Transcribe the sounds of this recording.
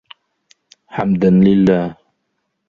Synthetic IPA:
ħamd̪anlɪlːaːh

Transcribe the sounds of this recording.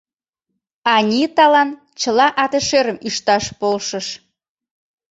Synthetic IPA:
ɑnʲit̪ɑlɑn | t͡ɕəlɑʔɑt̪eʃeɾəmyʃt̪ɑʃpolʃə̆ʃ

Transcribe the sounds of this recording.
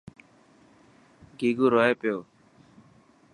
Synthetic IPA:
ɡiːɡuːɾoːeːpɪjoː

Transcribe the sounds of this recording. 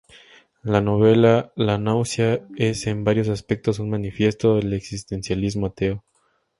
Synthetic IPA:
lano̞β̞e̞lalanawsjaese̞mbaɾjo̞s̬aspe̞k̚t̪o̞s̬unmãnifje̞st̪o̞ðele̞ksist̪e̞nsjalizmoat̪e̞o

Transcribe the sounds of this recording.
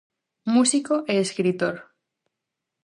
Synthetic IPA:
musikoʔeːskɾit̪oɾ

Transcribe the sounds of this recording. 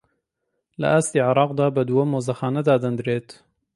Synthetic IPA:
lɐ̰ʔaːst̪iːʕɪɾˤɑːqd̪aːbɐd̪uwɐmoːzɐxaːnɐd̪aːd̪ɐnd̪ɾeːt̪

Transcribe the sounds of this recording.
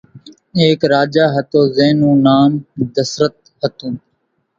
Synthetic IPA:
eːkɾaːd͡ʒaːɦət̪oːzeːnũːnaːmd̪əsɾət̪̚ | ɦət̪ũːn

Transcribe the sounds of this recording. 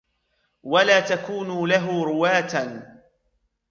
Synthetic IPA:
walaːt̪akuːnʊlaɦʊɾʊwaːt̪a

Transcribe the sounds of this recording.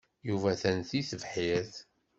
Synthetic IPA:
juvæθænθiθəvħiɾθ

